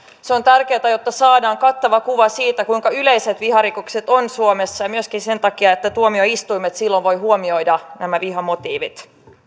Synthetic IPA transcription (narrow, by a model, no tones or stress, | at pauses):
seo̞nt̪ærke̞ːt̪æjo̞t̪ːɑsɑːdɑːŋkɑt̪ːɑʋɑkuʋɑsiːt̪ækuiŋkɑylejset̪ʋihɑɾikokse̞t̪o̞nsuomesːɑjɑmyøskinse̞nt̪ɑkiɑet̪ːæt̪uomio̞ist̪uimet̪silːo̞ʋʋo̞jɦuomio̞jdɑnæmæʋiɦɑmo̞t̪iːʋḭt̪